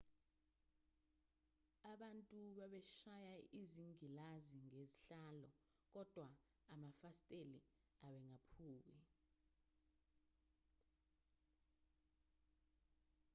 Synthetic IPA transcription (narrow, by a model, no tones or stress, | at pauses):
aɓantʼuɓaɓɛʃajaiziŋilaziŋeziɬalɔ | k̬ɔd̥ʱwa | amafastʼelḭ | aɓɛŋapʰuːwi